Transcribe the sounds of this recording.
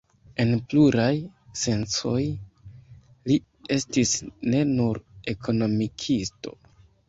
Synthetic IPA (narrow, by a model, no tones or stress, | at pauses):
e̞npluɾajse̞nt͡so̞j | li | e̞stisne̞nuɾe̞kʰo̞no̞mikʰisto̞